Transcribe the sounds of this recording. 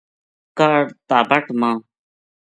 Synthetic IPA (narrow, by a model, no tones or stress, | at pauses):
kaɽt̪aːbəʈmãː